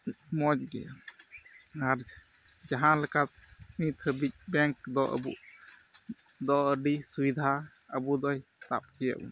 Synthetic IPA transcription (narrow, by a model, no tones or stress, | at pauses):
mɔd͡ʒɡɛ̰ | aɾ | d͡ʒaɦãlɛkat̪̚nit̪ʰəbic̚bɛŋkd̪ɔʔə̰buʔ | d̪ɔəɖisubid̪ʱa | əbud̪ɔjt̪ap̚kɛja̰ʔṵ